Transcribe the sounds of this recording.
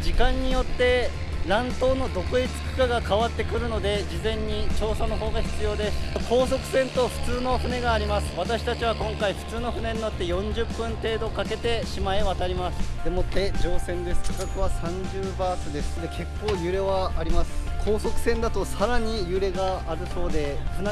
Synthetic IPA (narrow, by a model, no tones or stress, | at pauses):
d͡ʑikãɲ̟ːijo̞t̪ːe̞ | ɾãnt̪o̞ːno̞d̪o̞koit͡sɨ̥kɯ̥kaɡakaβat̪ːe̞kɯ̟ɾɯ̟no̞d̪e̞d͡ʑizẽ̞ɲ̟ːit͡ɕo̞ːsanoɦo̞ːɡaçi̥t͡sɨjo̞ːd̪e̞sɨ̥kʰo̞ːs̬o̞kɯ̟̥sẽ̞nt̪o̞ɸɯ̟̥t͡sɨːno̞ɸɯ̟ne̞ɡaːɾʲimasɨ̥βat̪aɕi̥t̪at͡ɕiβ̞akõ̞ŋkaiɸɯ̟̥t͡sɨːno̞ɸɯ̟ne̞ɲ̟ino̞t̪ːe̞jõ̞ɲd͡ʑɨpːɯ̟̃nt̪e̞ːd̪o̞kake̞t̪e̞ɕimaeβat̪aɾʲimasɨ̥d̪emo̞t̪ːe̞d͡ʑo̞ːsẽ̞nd̪e̞sɨ̥kokakɯ̟βasãɲ̟d͡ʑɨːbaːsɨd̪e̞sɨ̥d̪e̞kʰe̞kːo̞ːjɯ̟ɾe̞βaːɾʲimasɨ̥kʰo̞ːsokɯ̟sẽ̞nd̪at̪o̞saɾaɲ̟ijɯ̟ɾe̞ɡaːɾɯ̟so̞ːd̪e̞ɸɯ̟n